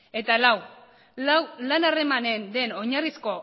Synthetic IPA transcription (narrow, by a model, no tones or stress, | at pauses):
e̞t̪alaw | awlanare̞mane̞nd̪e̞no̞ɲarisko̞